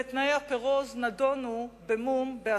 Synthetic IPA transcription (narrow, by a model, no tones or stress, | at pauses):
et̪naeapeʁoznadonubemumbea